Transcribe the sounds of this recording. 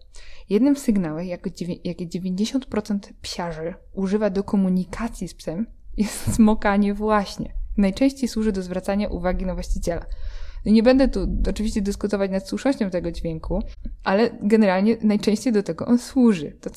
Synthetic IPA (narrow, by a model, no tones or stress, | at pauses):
jɛd̪nɨmsɨɡnawɛxjakɔd͡ʑʲjakʲɛd͡ʑevʲeɲd͡ʑeɕɔnt̪̚pɾɔt̪sɛnt̪pɕaʐɛ | uʐɘvad̪ɔkʰɔmuɲikʰat̪sʲjispsɛm | jɛst̪smɔkaɲɛvwaɕɲɛ̰najt͡ʂɛ̃w̃ɕt͡ɕejswuʐɘd̪ɔzvɾat̪saɲaʔṵvaɡʲinavwaɕt͡ɕit͡ɕɛla̰nɔɲɛbɛnd̪ɛt̪uɔt͡ʂɨvʲiɕt͡ɕɛd̪ɘskut̪ɔvat͡ɕnat̪swuʂnɔɕt͡ɕɔ̃w̃t̪ɛɡɔd͡ʑvʲjɛŋkuʔalɛɡɛnɛɾalɲɛnajt͡ʂɛ̃ɕt͡ɕejd̪ɔt̪ɛɡɔʔɔnswuʐɘt̪ɔ